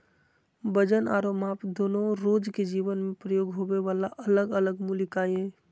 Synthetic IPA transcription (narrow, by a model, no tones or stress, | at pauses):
bəd͡ʒəna̰ːɾomaːpd̪oːnõɾoːd͡ʒked͡ʒiːʋənmẽpɾəjoːɡɦoweʋaːlaʔələɡələɡmulɪkaːjɛ̃ː